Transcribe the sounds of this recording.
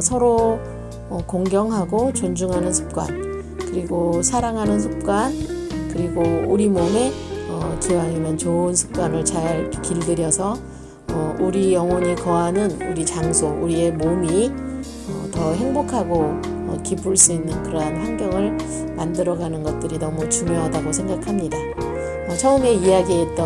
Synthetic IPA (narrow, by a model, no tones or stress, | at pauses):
sʰʌɾo | ʌkoŋɡjʌŋɦaɡot͡ɕond͡ʑuŋɦanɯnsʰu̥p̚k͈wa̰n | kɯɾiɡosʰaɾaŋɦanɯnsʰɯp̚k͈wankɯɾiɡouɾimome̞ʌkiwaimʌnt͡ɕoɯnsʰu̥p̚k͈wanɯɭt͡ɕaɭkiɭdɯɾjʌsʰʌ | ʌuɾijʌŋwʌɲikʌɦanɯnuɾit͡ɕaŋsʰouɾie̞momi | ʌ̰tʌɦe̞ŋbokʰaɡo | ʌkip͈uɭs͈uinːɯnkɯɾʌɦanɦanɡjʌŋɯɭ | mandɯɾʌɡanɯnɡʌt̚t͈ɯɾinʌmut͡ɕuŋjoɦadaɡosʰe̞ŋɡakʰamɲida | ʌt͡ɕʰʌɯme̞ijaɡiɦe̞t̚t͈ʌ